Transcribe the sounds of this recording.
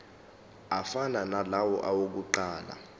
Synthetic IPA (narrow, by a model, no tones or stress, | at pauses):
afananalawɔ̰ʔawok̬uǃaːla̰